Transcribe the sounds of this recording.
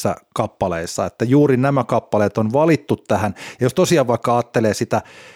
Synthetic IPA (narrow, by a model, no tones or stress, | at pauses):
æ̰kɑpːɑleisːɑ̰et̪ːæjuːrinæmækɑpːɑleːt̪onʋɑlit̪ːut̪tæhænjɑjost̪osiɑːʋʋɑikːɑɑːt̪ːeleːsit̪æ